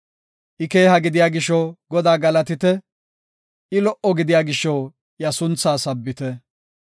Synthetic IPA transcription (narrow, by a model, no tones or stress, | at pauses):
ʔɪke̞ːɦɐɡɪd̪ɪjaːɡɪʃːɔɡɔd̪aːɡɐlɐt̪ɪt̪ɛ | ʔɪlɔʔɔɡɪd̪ɪjaːɡɪʃːɔw | jɐsʊnt͡sːaːsɐbːɪt̪ɛ